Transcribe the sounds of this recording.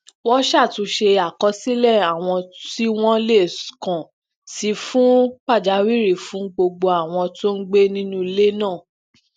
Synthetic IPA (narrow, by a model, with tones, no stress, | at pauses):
wɔ˦ʃa˦˨tũ˨˧˦ʃe˧a˨kɔ˧si˦lɛ˦˨a˨w̃ɔ̃˧ti˦w̃ɔ̃˦le˦˨kã˨ | si˨˧˦fũ˦k͡pa˦˨d͡ʒa˨˦wi˦ɾi˦˨fũ˨˦ɡ͡bo˧ɡ͡bo˧a˨w̃ɔ̃˧to˦n̩˦ɡ͡be˦nĩ˦nũ˦i˧˦le˦nãː˦˨